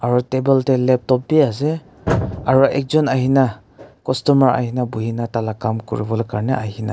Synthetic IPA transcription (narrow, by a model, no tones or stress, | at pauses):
aɾɔtebeltelep̚tɔp̚biaze | aɾuʔek̚zɔnahina | kɔstɔmaɾa̰jhinabuhinatalakamkṵɾibɔlkaɾneajhina